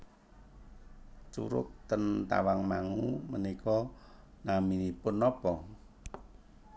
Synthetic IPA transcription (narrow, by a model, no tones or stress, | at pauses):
t͡ʃuɾʊ̰k̚t̪ənt̪a̰waŋmaŋumənikɔ | namiipʊnːɔpɔ